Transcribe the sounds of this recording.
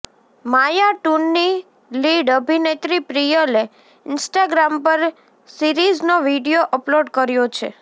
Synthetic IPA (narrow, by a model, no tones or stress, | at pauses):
majaʈunːi | liɖəbʱinet̪ɾipɾijəle | ɪnsʈaɡɾampəɾ | siɾid͡ʒnoʋiɖijoʔəploɖkəɾjot͡ʃʰḛ